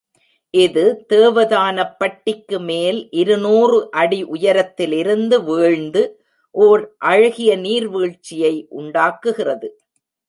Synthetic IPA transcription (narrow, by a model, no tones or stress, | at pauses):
ʔɪðɯt̪eːʋɐðaːnɐpːɐʈːɪkːɯmeːlʔɪɾɯnuːrɯʔɐɽiʔʊjɐɾɐt̪ːɪlɪɾɯnd̪ɯʋeːɻnd̪ɯ | ʔoːɾʔɐɻɐɣɪjɐniːɾʋeːɻt͡ʃːɪjɐɪʔʊɳɖaːkɯɣɪrɐðɯ